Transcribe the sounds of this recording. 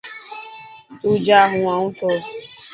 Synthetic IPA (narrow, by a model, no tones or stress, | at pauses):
ud͡ʒaɦʊŋʷaŋ̩tʊ